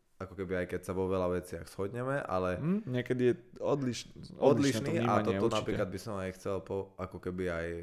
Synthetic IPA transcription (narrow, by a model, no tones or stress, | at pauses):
akɔkɛbiajkɛcsaʋɔʋɛlaʋɛt͡sɪaɣz̥hɔd̪ɲɛmɛʔa̰lɛɲɛkɛd̪ijɛɔd̪liʃnɔdd̪liʃniːiaaat̪ɔɔnappɾiklad̪̚bisɔmajxt͡sɛlpɔakɔkɛbiaj